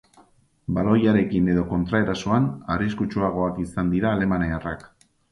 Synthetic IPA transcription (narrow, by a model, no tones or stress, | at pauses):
balo̞jaɾe̞kine̞ðo̞ko̞nt̪ɾae̞ɾasoanariskut͡ʃuaɣ̞o̞akisand̪iɾaːle̞manearak